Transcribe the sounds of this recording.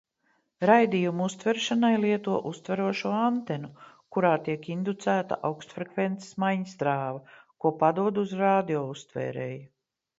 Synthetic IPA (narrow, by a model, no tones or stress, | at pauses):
ɾajd̪ijumuust̪vɛɾʃanajliɛt̪uɔʔust̪væɾuɔʃuɔant̪ɛnu | kuɾaːt̪iɛkind̪ut̪sæːt̪a̰ʔawkst̪fɾekvent̪se̥smajɲisd̪ɾaːvɐkuɔpad̪uɔd̪uzɾaːd̪iɔːust̪vɛ̰ːɾḛːj